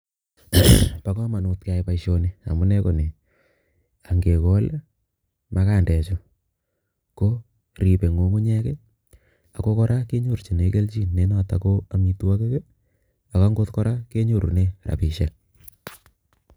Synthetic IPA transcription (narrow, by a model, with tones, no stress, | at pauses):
pa˦kɔ˦ma˨no˨tka˨jpa˨iʃo˨ne˦a̰˨mu˦nɛ˦ko˨ne˨ | a˨ŋɡe˨kɔ˦l | ma˦kaː˦˨ndɛː˨t͡ʃo˦ | ko˦ | ɾi˨pe˨ŋo˨ŋu˦ɲɛ˦kɛ˦ | a˨ko˦kɔ˦ɾa˦ke˦ɲo˦˨ɾt͡ʃi˨ne˨˦ke˦lt͡ʃi˦˨nːe˦na˨ta̰˨ko˦a˨mi˨tu˦wa˦ke˦ke˦ | a˨ka˦ŋɡo˦tkɔ˦ɾa˦ke˦ɲo˦˨ɾṵ˨ne˦ɾa̰˨pi˨ʃa˦